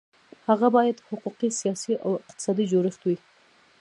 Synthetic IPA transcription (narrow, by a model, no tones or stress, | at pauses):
haɣabɑjad̪hʊquqisijɑsiʔa̰wɪqt̪ɪ̥sɑd̪id͡ʒoɾəxt̪wi